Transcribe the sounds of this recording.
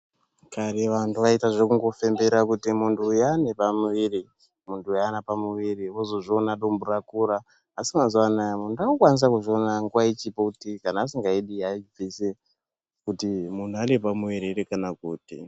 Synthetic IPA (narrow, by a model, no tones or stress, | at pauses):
kaɾeʋantʰuʋaitaʐe̞kuŋɡo̞fe̞mbeɾakutimuntʰujane̞pamuʋiɾi | muntʰujanapamuʋiriwozo̞ʐionaɗomburakuɾaː | simazuwanajamundakokwanis̬akuʐio̞naŋɡuʋait͡ʃipokutikanaːsiŋɡaiɗiaib͡vise | kutimun̤uane̞pamuʋiɾiɾekanakuːtḭ